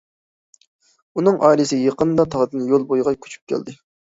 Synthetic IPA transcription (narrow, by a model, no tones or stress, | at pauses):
unɨŋʔɑ̰ːilɨsɪjeqənd̪ɑt̪ʰɑʁd̪ɨnjolˠbojʁɑkʲʰy̥t͡ʃʰy̥p̚kʲʰæ̰ld̪ɪ